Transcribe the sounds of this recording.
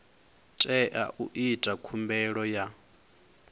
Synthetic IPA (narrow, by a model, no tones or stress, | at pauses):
tʼɛʔa̰ʔuʔitʼakʰumbɛɺɔja